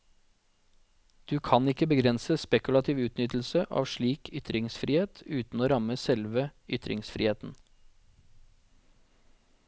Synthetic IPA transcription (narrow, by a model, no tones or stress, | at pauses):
d̪̥ʉːkʰɑnɪkəbəɡɾɛnsəspɛkʉlɑt̪ʰiːʋʉːt̪nʏt̪l̩səʔɑ̰ːʋʃɭiːkʰʏt̪ɾɪŋsfɾiːheːt̪ʉːt̪n̩oːɾɑməsɛlʋəʏt̪ɾɪ̰ŋsfɾḭːeːt̪n̩